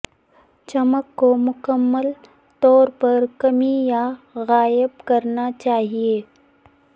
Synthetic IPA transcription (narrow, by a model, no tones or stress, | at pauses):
t͡ʃɐməkːomʊkəmːəl | t̪ɔːɾpɐɾkɐmijaɣaːjəbkɐɾnat͡ʃaːɦieː